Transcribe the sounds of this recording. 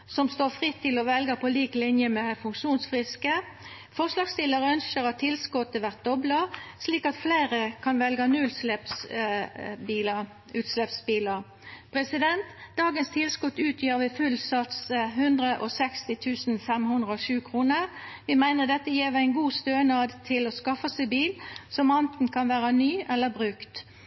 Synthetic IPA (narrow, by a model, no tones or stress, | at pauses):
sɔmst̪oːfʁɪt̪ʰːɪlɔʋɛlɡəpʰɔliːklɪnjəmɛfʉŋkʃuːnsfʁɪskə | fɔʁslɑːɡst̪ɪləʁəœnʃəʁɑt̪ʰːɪlskɔt̪ːəʋæʁt̪̚d̪ɔbləsliːkɑt̪fleɪʁəkʰɑnʋɛlɡənʉlslɛps | biːə | ʉːt̪slɛpsbiːləʁ | pʰʁɛsɪd̪ɛnt̪d̪̥ɑːɡənst̪ʰɪlskɔt̪ʉːt̪ʰjiːʁʋɪfʉlsɑt̪sɦʉnd̪ʁəʔɔsɛkst̪ɪt̪ʰʉːsn̩fɛmhʉnd̪ʁəɔʃʉːkʰʁuːnəʁʋɪmæɪnəʁd̪ɛt̪ːəjeːʋæɪnɡuːst̪øːnɑd̪t̪ʰɪloːskɑfɑsæɪbiːlsɔmɑnt̪n̩kʰɑnʋæːʁənyːʔɛlːəbʁʉːkt̪